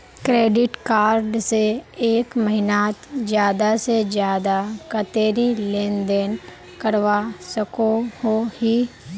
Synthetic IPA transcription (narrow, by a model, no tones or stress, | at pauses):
kɾeːɖɪʈkaːɾɖseeːkməɦɪnaːt̪d͡ʒjaːd̪ased͡ʒjaːd̪akət̪eːɾilẽːnd̪eːn | kəɾʋasəkohohi